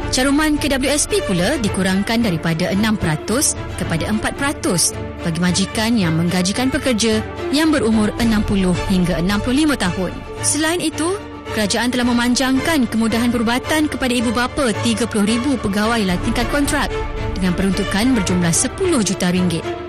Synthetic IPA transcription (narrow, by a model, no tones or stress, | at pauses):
t͡ʃaɾumãnkədabəljuɛspipuladikuɾaŋkandaɾipadaʔənãmpəɾat̪ʊs | kəpadaʔəmpat̪̚pəɾat̪ʊs | b̥aɡimãd͡ʒikanjaŋmə̃ŋɡad͡ʒikanpəkərd͡ʒa | jaŋbəɾumʊ̃rənãmpulʊhhiŋɡaənãmpulʊhlimə̃t̪aɦʊn | səlaɪnit̪u | kəɾad͡ʒaʔant̪əlahmə̃mãɲd͡ʒaŋkankəmũdaɦanpəɾubat̪ankəpadaibubapat̪iɡapulʊhɾibupəɡawajlat̪iŋkat̪̚kɔnt̪ɾak̚dəŋãnpəɾunt̪ukanbərd͡ʒumlahsəpulʊhd͡ʒut̪aɾiŋɡɪt̪̚